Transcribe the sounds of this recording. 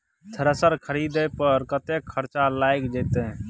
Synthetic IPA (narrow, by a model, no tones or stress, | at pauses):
sʰəɾəsəɾkʰəɾid̪əpəɾkət̪ekʰːəɾt͡ʃalajkd͡ʒeːt̪eɦ